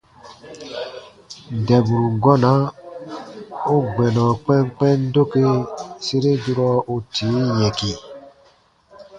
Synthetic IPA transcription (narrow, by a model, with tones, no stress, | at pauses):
dɛ˨bu˨ɾu˨ɡɔ˦na˨˦ | o˦ɡ͡bɛ˨nɔ̃˨k͡pɛ̃˦ŋk͡pɛ̃˦n̩˦do˦ke˦se˦ɾe˦du˦ɾɔ˦o˦tʰiː˨˦jɛ̃˨ki˨